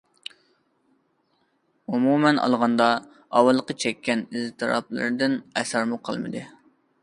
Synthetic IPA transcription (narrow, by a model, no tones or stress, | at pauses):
umumɛnɑ̰lˠʁɑnd̪ɑ | ɑwɑlˠːəqət͡ʃʰɛkʲʰːɛnizt̪ʰɨɾɑ̰plˠɨ̰ɾɨd̪ɪnɛsɑɾmuqʰɑ̰lˠmɨ̰d̪ɨ